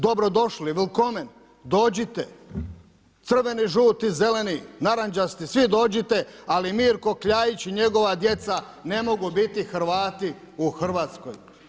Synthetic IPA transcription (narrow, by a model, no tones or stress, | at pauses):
d̪o̞bɾo̞d̪o̞ʃliʋilˠkomen | d̪o̞ːd͡ʑit̪e | t̪sr̩ʋe̞niʒuːt̪ize̞leninaɾand͡ʒast̪isʋid̪o̞ːd͡ʑit̪ealimiːɾko̞kʎaːjit͡ɕiɲe̞ɡo̞ʋad̪je̞t̪sa | ne̞mo̞ɡubit̪ixɾ̩ʋaːt̪i | uxr̩ʋaːt̪sko̰j